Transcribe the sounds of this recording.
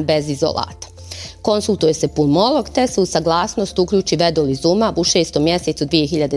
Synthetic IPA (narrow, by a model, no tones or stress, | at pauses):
be̞zizo̰lˠa̰ːt̪ḁ | ko̞nsulˠt̪uje̞se̞pulmo̞lˠo̞ɡt̪e̞seusaɡlˠaːsno̞st̪ukʎuːt͡ɕiʋed̪olizumaʔuʃe̞ːst̪o̞mjese̞t̪sud̪ʋije̞çiʎad̪e